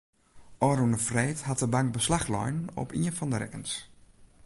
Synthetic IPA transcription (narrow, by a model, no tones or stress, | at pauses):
ʔɔɾunəfrejthat̚dəbaŋk̚bəslaxlɔ̰jnɔ̰pʰḭənfɔndəɾɛ̰kəns